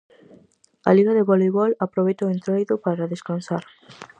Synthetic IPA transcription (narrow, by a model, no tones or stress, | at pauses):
a̰liɣaðeβoliβɔlapɾoβejt̪oent̪ɾojðʊpaɾaðeskansaɾ